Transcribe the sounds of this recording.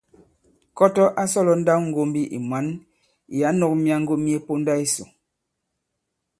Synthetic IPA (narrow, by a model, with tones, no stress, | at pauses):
kɔ˦tɔ˦ʔa˦sɔ˦lɔ˨˦n̩˦da˦wŋ̩˦ɡo˦mbi˦ʔḭ˨mwa˨˦n | i˨ja˨˦nɔ˨k̚mi˦a˦ŋ̩˦ɡo˦mi˦e˦po˦nda˦i˦so̰˨